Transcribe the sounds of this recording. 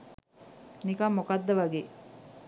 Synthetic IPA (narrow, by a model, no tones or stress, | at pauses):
nikɐmːokɐd̪ːɐʋɐɡeː